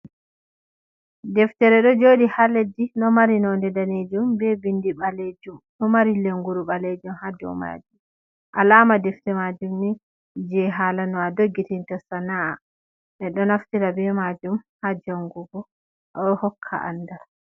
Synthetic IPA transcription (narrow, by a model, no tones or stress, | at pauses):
dɛftɛɾɛɗɔd͡ʒoːdihaledinɔmaɾinɔndɛdaned͡ʒumbɛbindiɓaled͡ʒumɗɔmaɾileŋɡuɾuɓaled͡ʒumhad͡ʒɔ̰ma̰d͡ʒum | ʔalaːmadɛftɛmad͡ʒumni | d͡ʒɛɦalanɔadoɡːitintɔsanaa̰ | ʔɛɗɔnaftiɾabɛmad͡ʒumhad͡ʒaŋɡuɡɔ | ʔɗɔhɔkʰːa̰ʔa̰nːdal